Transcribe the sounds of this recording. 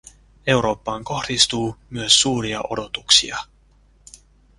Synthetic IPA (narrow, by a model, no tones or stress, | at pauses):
e̞wɾo̞ːpːɑːŋko̞xd̥ist̪uːmyøsːuːɾiɑʔo̞̰do̞t̪uksḭɑ